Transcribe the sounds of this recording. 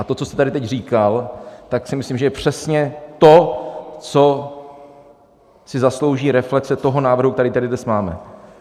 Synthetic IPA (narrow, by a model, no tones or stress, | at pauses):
ʔat̪o̞t͡sost̪ɛt̪adɪt̪ɛcr̝iːkalt̪aksɪmɪslimʒɛjɛpr̝̥ɛsɲɛt̪o̞t͡so̞ | sɪzaslo̞wʒiːɾɛflɛksɛt̪o̞ɦo̞naːvr̩ɦuk̚t̪ɛɾiːt̪ɛɾɪd̪nɛstmaːmɛ̰